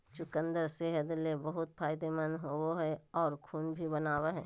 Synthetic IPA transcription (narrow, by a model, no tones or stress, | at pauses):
t͡ʃʊkə̃nd̪əɾseɦəd̪lebɐɦʊt̪̚pʰaːɪd̪emənɦooɦɛɔːɾkʰuːnbʱibɐnaːweɦɛː